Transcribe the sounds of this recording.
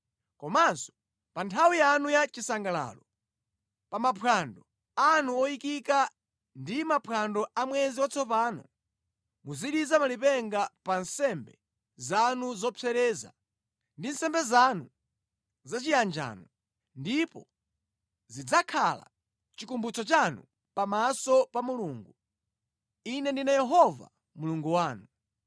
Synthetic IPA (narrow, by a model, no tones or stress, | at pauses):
kɔmansɔ̥ | pantʰawijanujat͡ʃisaŋɡala̰ːlɔ | pamapʰwandɔ | anuɔikika | ndimapʰwandɔamwɛziwat͡sʰɔpaːnɔ̰ | muziɗizamalipɛŋɡapansɛmbɛ | zanuzɔpʰɛɾɛːza̰ | ndinsɛmbɛzanu | zat͡ʃijand͡ʒa̰ːnɔ | ndipɔ | zid͡zakʰala̰ | t͡ʃikumbut͡sɔt͡ʃanṵ | pamasɔpamuluːŋɡu | inɛndinajɛɦɔva̰ | muluŋɡuwaːnu